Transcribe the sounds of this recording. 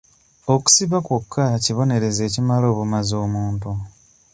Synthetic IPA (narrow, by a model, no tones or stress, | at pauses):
o̞ku̥siβakwokʰːaciβo̞ne̞ɾe̞ze̞ːcimalo̞ːβumazo̞ːmuːntu